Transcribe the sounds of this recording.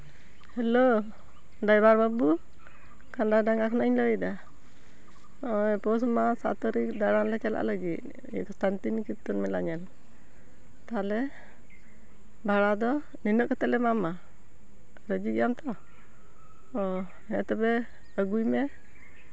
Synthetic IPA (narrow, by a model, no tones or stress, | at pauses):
hɛlo | dajbaɾbabu | kandadaŋakʰnaɲləida | ɔjpɔs̬masa̰t̪əɾikd̪aɾanlɛt͡ʃala̰ʔləɡit̪̚ | ɛ̰kɔst̪ant̪inikit̪unmɛlaɲɛn | t̪alɛ | baɽad̪ɔ | ninəʔkət̪ɛlɛmama | ɾəd͡ʒiɡɛjamt̪ɔ | ɛt̪ɛbɛ | əɡujmɛ